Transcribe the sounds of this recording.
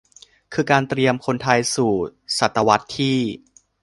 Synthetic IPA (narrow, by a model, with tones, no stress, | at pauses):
kʰɯː˧kaː˧nt̪ɾi˧əmkʰo˧nt̪ʰa˧jsuː˨˩sa˨˩t̪ːa˧wa˦˥t̪ʰːiː˥˩